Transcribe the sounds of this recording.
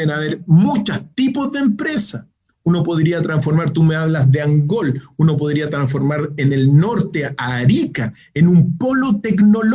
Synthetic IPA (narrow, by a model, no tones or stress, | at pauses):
enaβeɾmut͡ʃast̪ipozðempɾe̞sa | uno̞po̞ðɾiat̪ɾaɱsfo̞ɾmaɾt̪umeaβlazðeaŋɡo̞luno̞p̬o̞ðɾiat̪ɾaɱfo̞ɾmaɾene̞lno̞ɾt̪eaːɾika | enumpo̞lo̞t̪ekno̞l